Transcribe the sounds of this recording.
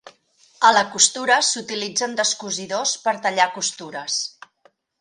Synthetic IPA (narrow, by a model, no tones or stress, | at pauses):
ələkust̪uɾəsut̪ilid͡zənd̪əskuziðospəɾt̪əʎakust̪uɾəs